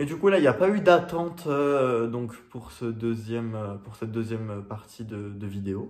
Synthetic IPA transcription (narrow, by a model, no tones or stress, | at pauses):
ed̪ykulailjapayd̪at̪ɑ̃t̪ød̪ɔ̃kpuʁsəd̪øzjɛmøpuʁsɛt̪̚d̪øzjɛmpaʁt̪ʰid̪əd̪əvid̪eo